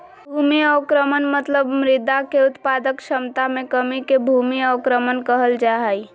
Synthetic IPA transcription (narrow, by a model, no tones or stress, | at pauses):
bʱumiɔkɾəmənmət̪ləbmɾɪd̪akeʊt̪pad̪əkʃəmt̪amẽkəmikebʱumiɔkɾəmənkəɦəld͡ʒaɦəj